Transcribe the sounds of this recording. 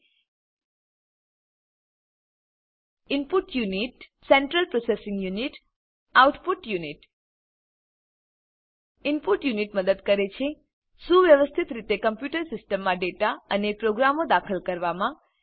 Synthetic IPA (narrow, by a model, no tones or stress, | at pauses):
ɪmpuʈjuniʈsɛɳʈɾəlpɾosesɪŋɡjuniʈ | auʈpuʈjuniʈ | ɪmpuʈjuniʈməd̪əd̪kəɾet͡ʃʰe | sũʋjəʋəst̪ʰit̪ɾit̪ekəmpjuʈəɾsɪsʈəmːãɖeʈaənepɾoɡɾamod̪akʰəlkəɾʋamã